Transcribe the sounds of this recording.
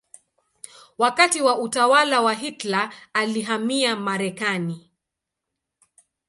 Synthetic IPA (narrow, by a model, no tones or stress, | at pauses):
wakatiwaʔutawalawaɦitlaːliɦamiamaɾɛkani